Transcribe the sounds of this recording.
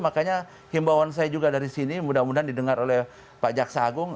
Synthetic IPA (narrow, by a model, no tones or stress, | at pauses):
makaɲa | himbawans̬ajad͡ʒuɡadaɾisinimudamudaandidəŋaɾolɛh | pad͡ʒaksaːɡʊŋ